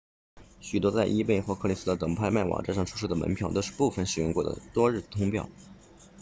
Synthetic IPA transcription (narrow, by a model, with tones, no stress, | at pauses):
ɕy˨˩t̪wɔ˥t͡sa˥˩ɪʔi˥pe˥˩ɪxwɔ˧˥kʰɤ˥˧li˥sɹ̩˥d̪ə˨˩t̪ɤ˨˩ŋpʰa˥˧ɪma˥˩wɑ̰˨˩ʈ͡ʂa˥˧ʂɑ˥˩ŋʈ͡ʂʰu˥ʂ̬ɤ˥˩d̪ə˩mə̰˧˥npʰjʊt̪o˥˧ʊʂɻ̩˥˧pu˥˩fə˨˩nʂɻ̩˨˩jʊ˥˧ŋkwɔ˥˩d̪ə̰˩t̪wɔ˥ɻ̩˥˩t̪ʰʊ˥ŋpʰjɑ̰˥˩ʊ